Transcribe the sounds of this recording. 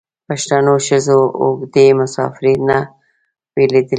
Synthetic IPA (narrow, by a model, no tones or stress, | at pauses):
paʃt̪anoʃəzoʊ̰ɡd̪emʊsɑ̰fɪɾinːa | weled̪əl